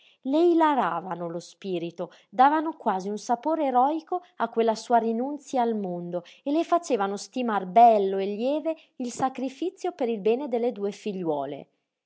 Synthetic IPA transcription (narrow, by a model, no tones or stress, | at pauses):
lejlaɾaːvanolospiːɾit̪o | d̪aːvanokwaːziunsapoːɾeːɾɔːiko | akːwelːasuːaɾinunt̪sjaːlmond̪oelːefat͡ʃeːvanost̪imarbɛlːoelːjɛːve | ilsakɾifit̪sːjopeɾilbɛːned̪elːed̪uːefiʎːwɔːlḛ